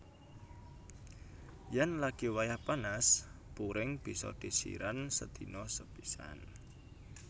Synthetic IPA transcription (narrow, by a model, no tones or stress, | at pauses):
janlaɡ̥iwajahpanaspuɾɪŋb̥i̤sɔ̰d̪̥i̤sḭɾansəd̪inɔsəb̥isa̰n